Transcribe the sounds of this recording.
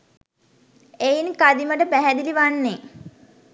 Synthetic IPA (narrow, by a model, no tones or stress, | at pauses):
ejinkad̪iməʈəpæɦæd̪iliʋanːe